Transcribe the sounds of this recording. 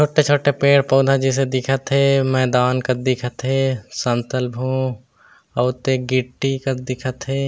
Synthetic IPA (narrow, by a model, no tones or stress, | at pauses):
t͡ʃʰoːʈet͡ʃʰoːʈepeːɽpɔːd̪ʱad͡ʒis̬ed̪ɪkʰət̪ɦemɛːd̪aːnkəd̪ɪkʰət̪ɦesə̃nt̪əlbʱõ | ɐt̪eɡɪʈːikəd̪ɪkʰət̪ɦeː